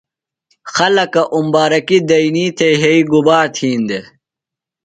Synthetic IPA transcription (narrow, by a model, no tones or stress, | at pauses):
xɐlɐkɐʔumbaːɾɐkid̪ɐiniːt̪ʰeɦeiɡubaːɾt̪ʰiːnd̪e